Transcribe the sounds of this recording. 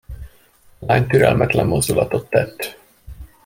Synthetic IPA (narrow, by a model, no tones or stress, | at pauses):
laːɲt̪yɾɛlmʔɛt̪lɛmːo̞zd̪ulɒt̪o̞t̪ːɛt̪ː